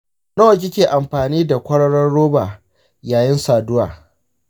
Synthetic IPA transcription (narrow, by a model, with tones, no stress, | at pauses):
noː˦˨k̬ʲɪ˦kʲeː˨ʔa˨mɸaː˨niː˦da˨kʷɐ˦ɽɐ˦ɽɐ˦nɽoː˦baː˨ | jaː˨jɪ˦nsaː˨dʊ˦waː˨